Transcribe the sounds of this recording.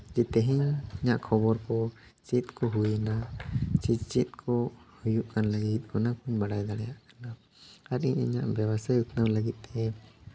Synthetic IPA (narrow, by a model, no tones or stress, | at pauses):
d͡ʒɛt̪ɛɦiɲəɲaʔkʰɔbɔɾkɔ | t͡ʃit̪kɔɦujɛnat͡ʃid͡ʒt͡ʃit̪̚kʰɔhujuʔkanləɡit̪̚ˀhɔnakuɲbaɽajd̪aɽɛjaʔkḁna | aɾḭɲəɲaʔbjabasajut̪nəwləɡit̪̚ˀt̪ɛ